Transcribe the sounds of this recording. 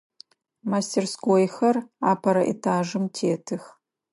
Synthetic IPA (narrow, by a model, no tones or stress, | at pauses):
mastʰerskoːjxɐraːpʰɐɾɐʔḛtʰaːʒɨmtʰeːtʰɨx